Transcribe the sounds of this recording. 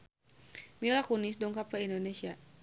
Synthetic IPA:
milakunis̬dɔŋkapaindonesia

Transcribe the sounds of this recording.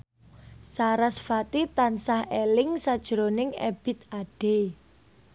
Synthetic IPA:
saɾasfat̪it̪ansahelɪŋsad̥ʒ̥əɾonɪŋḛb̥ɪ̤t̪aɖ̥e

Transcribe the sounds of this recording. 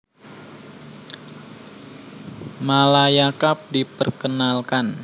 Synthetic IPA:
malajakap̚dipərkənalkan

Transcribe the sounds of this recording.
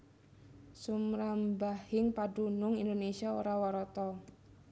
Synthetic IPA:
sumɾambahɪŋpaɖunʊŋindonesiao̰ɾawaɾɔt̪ɔ

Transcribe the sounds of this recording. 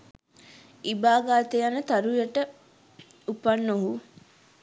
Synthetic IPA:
ibaːɡaːt̪ejanət̪aɾujəʈə | upanːoɦu

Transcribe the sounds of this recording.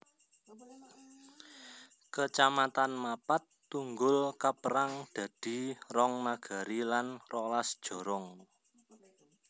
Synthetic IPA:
kət͡ʃamat̪anmapat̪ː | uŋɡʊlkapəɾaŋd̪̥ä̤d̪̥i̤rɔŋmaɡ̥a̤ɾilanrɔlasd̥ʒ̥o̤ɾɔŋ

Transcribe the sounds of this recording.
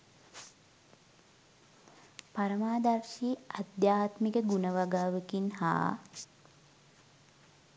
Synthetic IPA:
paɾəmaːd̪arʃiːad̪jaːt̪mikəɡunəʋaɡaːʋəkinha̰ː

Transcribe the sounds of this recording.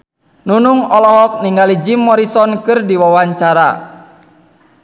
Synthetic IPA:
nunuŋɔlɔɦɔk̚niŋɡalid͡ʒimːɔɾisɔnkɨrdiwawaɲt͡ʃaɾa̰

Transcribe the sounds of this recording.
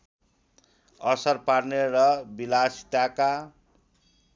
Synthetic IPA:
ʌsʌrparnerʌbilasi̥t̪aka

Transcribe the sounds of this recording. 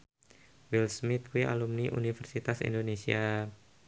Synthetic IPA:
wilsmit̪̚kwia̰lumniʔṵnifɛrsit̪asḭndonesia

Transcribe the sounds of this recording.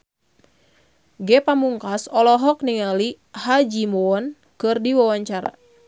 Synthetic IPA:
ɡɛpamuŋkasɔlɔɦɔk̚niŋali | had͡ʒimɔɔn | kɨrdiwawaɲt͡ʃaɾa̰

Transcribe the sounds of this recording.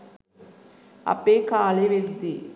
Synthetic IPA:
ɐ̰pːeːkaːleʋeɾd̪i

